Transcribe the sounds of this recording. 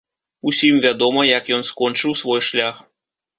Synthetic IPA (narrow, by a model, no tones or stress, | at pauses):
usʲimvʲad̪oməjakjɔnskonʲt͡ʃɨwsvojʂlʲax